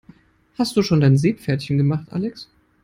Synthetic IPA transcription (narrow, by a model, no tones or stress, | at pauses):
hast̚d̥uːʃoːndaɪnzeːpfɛɐtçənɡəmaχtʔa̰lɛks